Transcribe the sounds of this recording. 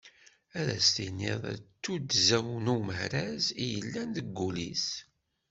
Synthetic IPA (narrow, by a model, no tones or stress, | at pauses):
æðæ̰st̪inːɪ̰ðˤæ̰t͡sːud̪zæwnuməhɾæzijəlːænd̪əɡːulis